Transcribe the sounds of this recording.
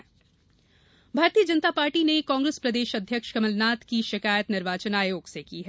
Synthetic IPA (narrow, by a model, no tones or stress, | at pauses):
bʱaːɾt̪iːəd͡ʒɐnt̪apaːɾʈinekãːŋɡɾespɾɐd̪eːʃɐd̪ʱjəkʃkɐməlnaːt̪kiʃɪkaːjət̪nɪɾʋaːt͡ʃənaːeoːksekiɦɛː